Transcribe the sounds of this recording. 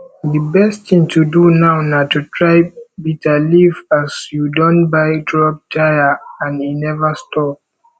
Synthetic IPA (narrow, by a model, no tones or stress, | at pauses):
dəbɛsttĩŋtʰudunaʊnatutʰɹaɪbitʰalivasjudɔ̃nbaɪdɹɔp̚dajaãninɛvastɔp̚